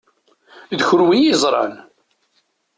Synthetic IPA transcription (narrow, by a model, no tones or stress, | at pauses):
ðçʊɾwijizˤɾˤɑ̰n